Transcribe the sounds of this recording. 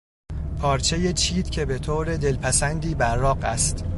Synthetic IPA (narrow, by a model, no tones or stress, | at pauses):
pʰɒːɾt͡ʃʰe̞jet͡ʃʰiːd̪̥cʰe̞bet̪ʰoːɾe̞d̪e̞lpʰæsænd̪iːbæɾːɒːɢæ̰st̪